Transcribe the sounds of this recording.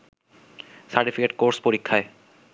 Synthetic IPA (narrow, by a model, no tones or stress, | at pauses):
saɾʈifikeʈkoɾspoɾikʰːae